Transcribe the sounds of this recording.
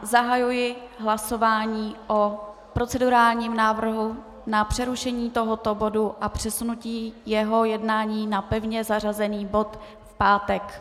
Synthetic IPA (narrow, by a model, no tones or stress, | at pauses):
zaɦajujɪ | ɦlaso̞vaːɲiːʔo | pɾo̞t͡sɛduɾaːlɲiːmnaːvr̩ɦu | napr̥ɛɾuʃɛɲiːt̪o̞ɦo̞t̪o̞bo̞duʔapr̥ɛsunuciːjɛɦo̞jɛdnaːɲiːnapɛvɲɛzar̝azɛniːbo̞t̪ | fpaːt̪ɛk